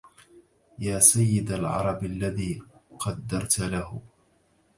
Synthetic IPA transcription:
jaːsajːɪd̪alʕɑ̰ɾˤɑbʔalːaðiːqʰɑd̪ːɑɾˤt̪lahʊ

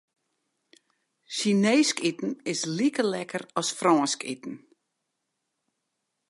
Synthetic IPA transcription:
ʃineːskitn̩ɪslikəlɛkərɔsfrɔːnskitn̩

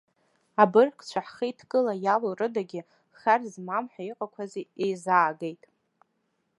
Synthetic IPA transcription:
abɨrkʰʼt͡ɕʷʰaħχijtʰɡʼɨlajalorɨdaɡʲɪ | χarzmamħaiqʼakʷʰaziejzaːɡejtʼ

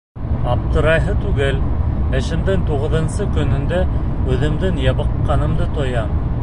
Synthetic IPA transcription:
ɑp̚t̪ɤ̆ɾɑjɦɤt̪ʉɡɘlɘ̆ʃɘ̆md̪ɘŋt̪uʁɤ̆ðɤ̆nsɤkɵ̆nɵ̆nd̪æ | ʉðɘ̆md̪ɘŋjɑβɤ̆qːɑnɤ̆md̪ɤt̪ŏjɑm

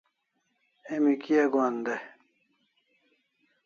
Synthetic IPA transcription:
emikijaɡaːnd̪e

